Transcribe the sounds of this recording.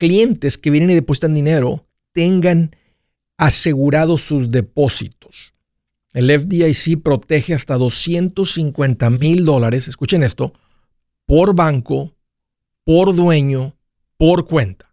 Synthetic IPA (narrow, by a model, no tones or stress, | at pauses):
klje̞nt̪e̞skeβje̞neniðe̞po̞s̬i̥t̪and̪ine̞ɾo̞ | t̪e̞ŋɡan | ase̞ɣuɾað̞o̞sːuzðe̞po̞sḭt̪o̞̥s | e̞lefd̪iajsipɾo̞t̪e̞xe̞ast̪aðo̞sje̞nt̪o̞siŋkwe̞nt̪amild̪o̞laɾe̞se̞skut͡ʃe̞ne̞st̪o̞ | po̞ɾβaŋko̞ | po̞ɾðwe̞ɲo̞ | po̞ɾkwe̞nt̪ḁ